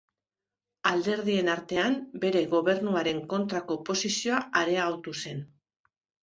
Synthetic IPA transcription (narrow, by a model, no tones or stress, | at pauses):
ald̪e̞ɾð̞ie̞naɾt̪e̞ambe̞ɾe̞ɣo̞βe̞ɾnuaɾe̞ŋko̞nt̪ɾako̞po̞sisio̞aaɾe̞aɣawt̪use̞n